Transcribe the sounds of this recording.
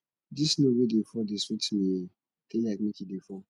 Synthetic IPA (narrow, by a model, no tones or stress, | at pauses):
disnowedefɔdesutʰime | tejakmekidefɔ